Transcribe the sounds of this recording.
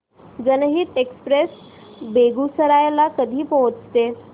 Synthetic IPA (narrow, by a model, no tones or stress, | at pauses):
d͡zənəɦiːt̪ekspɾes | beɡusəɾajlakəd̪ʱiːpɔɦət͡st̪e